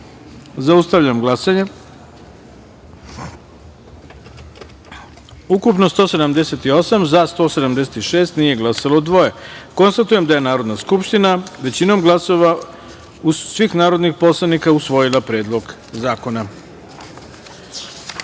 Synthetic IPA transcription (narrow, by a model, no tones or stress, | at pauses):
zaust̪aʋʎamɡlˠasaɲe | ukupno̞st̪o̞ːse̞d̪amd̪e̞se̞t̪io̞samzast̪o̞se̞d̪amd̪e̞set̪iʃe̞ːst̪nije̞ɡlasalˠod̪ʋo̞je̞ko̞nst̪at̪uje̞md̪aje̞naːɾo̞d̪naskupʃt̪inaʋe̞t͡ɕino̞mɡlˠaso̞ʋa | usʋixnaːɾo̞d̪nixpo̞slˠanikausʋo̞jilˠapɾe̞ːd̪lˠo̞ɡ | zaːko̞na